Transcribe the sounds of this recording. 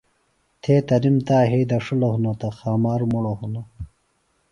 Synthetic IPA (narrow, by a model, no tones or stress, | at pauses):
t̪ʰeːt̪ɐnimt̪aːɦejd̪ɐʂulohunot̪ɐxaːmaːɾmuɽoɦunɐ